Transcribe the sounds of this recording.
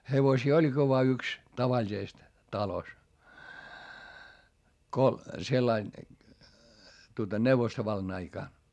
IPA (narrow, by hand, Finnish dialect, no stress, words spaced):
heʋosiː olʲɡ̊i ʋoɑ yks tɑʋɑlʲisest tɑlos ko selːɑin tuotɑ neuʋostoʋɑlːɑn ɑikɑˑn